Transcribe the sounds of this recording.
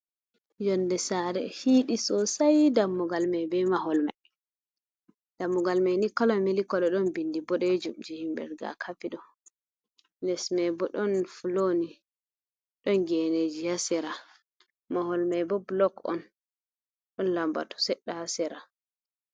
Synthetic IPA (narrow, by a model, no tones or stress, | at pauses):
d͡ʒɔndɛsaɾɛ̰hiːɗisɔsajdamːɔɡalmajbɛmaɦɔlma̰j | d̥amːɔɡalmajnikɔlɔmilikɔlɛɗɔnbindibɔɗɛd͡ʒumd͡ʒihimbɛ̰ɾɡa̰kʰafiɗɔ | nɛsmɛbɔɗɔnfuloni | ɗɔnɡɛned͡ʒihasɛɾa | maɦɔlmajbɔblɔkɔ̰n | ɗɔnlamba̰tɔ̥sɛɗːahasɛɾa